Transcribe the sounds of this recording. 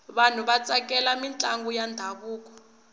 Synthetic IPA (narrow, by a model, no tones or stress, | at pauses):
βan̤uɓat͡sʼak̬ʼɛlamint͡ɬʼaŋɡujandʱaβuːk̬ʼɔ̥